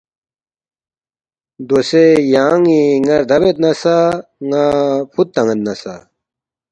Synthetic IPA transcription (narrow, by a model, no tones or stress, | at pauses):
d̪osejaːŋiŋɐɾd̪ʱɐbet̪nɐsaŋapʰut̪ːɐŋɐnt̪nɐsa̰